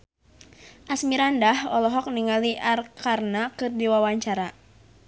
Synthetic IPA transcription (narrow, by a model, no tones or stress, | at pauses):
ʔasmiɾandahɔlɔɦɔk̚niŋaliʔarkarnakɨrdiwawaɲt͡ʃaɾa